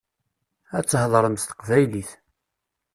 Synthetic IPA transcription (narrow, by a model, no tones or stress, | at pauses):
æt͡sːhðˤɾˤəmst̪ə̥qvæjliθ